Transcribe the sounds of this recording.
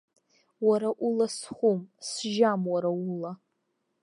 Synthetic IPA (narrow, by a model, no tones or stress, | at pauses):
waɾaʔulasχʷumsʒamwaɾaula